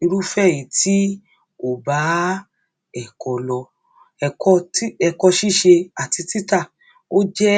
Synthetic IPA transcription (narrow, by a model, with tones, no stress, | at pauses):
i˧ɾu˦fɛ˦˨ji˨ti˦ | o˦˨ba˨˦ | ɛ˦˨kɔ˨˧lɔ˧ | kɔ˧ti˦ɛ˧kɔ˧ʃi˦˨ʃe˧a˨ti˧ti˦ta˦˨ | o˦d͡ʒɛ˦